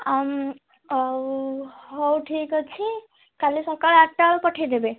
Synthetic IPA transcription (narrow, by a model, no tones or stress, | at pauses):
am | ɦowʈʰikɔt͡ʃʰi | kalisɔkəɭaʈːaɭpɔʈʰid̪ebe